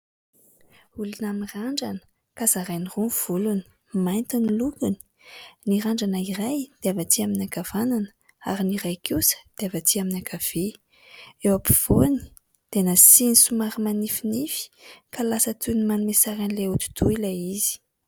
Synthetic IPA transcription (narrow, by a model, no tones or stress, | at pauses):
ulunamiraɳɖ͡ʐanə̥ | kazaɾajnirunv̥uluni̥ | majnt̪unilukuni̥ | niɾaɳɖ͡ʐanəirajd̪̥eavat̪iaminakavananə̥ | a̰ɾiniɾajkʰusə̥d̪̥eavat̪iaminakʰav̥e | ewapi̥v̥oni̥ | d̪̥enasinisumaɾimanifinifi̥kʰalasət̪unimanumesaɾanleut̪u̥d̪̥uilaiz̥i̥